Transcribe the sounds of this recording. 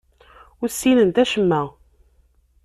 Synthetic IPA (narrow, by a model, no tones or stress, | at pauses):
ʊɾsːinənt̪æʃəmːæ